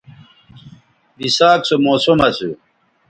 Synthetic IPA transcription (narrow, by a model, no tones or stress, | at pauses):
bisaːksomoːsomɐsṵ